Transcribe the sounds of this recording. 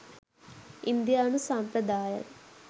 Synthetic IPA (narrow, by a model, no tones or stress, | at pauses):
ind̪ijaːnusampɾɐd̪aːjə̰n